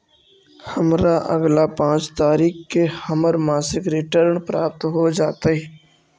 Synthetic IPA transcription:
həmɾaʔə̰ɡlapãːt͡ʃt̪aːɾiːxkehəməɾmaːsɪkɾɪʈəɾɳpɾaːp̚t̪ɦod͡ʒaːt̪aɦɛ

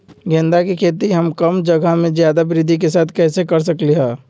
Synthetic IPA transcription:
ɡẽːnd̪akikʰeːt̪iɦəmkəmd͡ʒəɡamẽzjaːd̪abɪɾɪd̪ʱik̬esaːt̪ʰkɛːsekəɾs̬əkliɦɛ̃ː

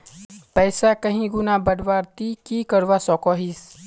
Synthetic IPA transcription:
pɛːsakəɦĩɡʊnabəɽʋaːɾt̪ikikəɾʋasɔːkɔːɦis

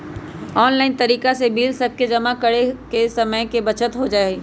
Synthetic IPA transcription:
ɔːnlaːɪnt̪ɐɾiːkasebiːlsɐb̚ked͡ʒɐmakɐɽekesɐməjkebɐt͡ʃət̪ɦod͡ʒaːeɡ

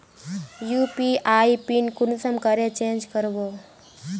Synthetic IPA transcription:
juːpiʔaːipinkʊnsəmkəɾet͡ʃẽːnd͡ʒkəɾboː

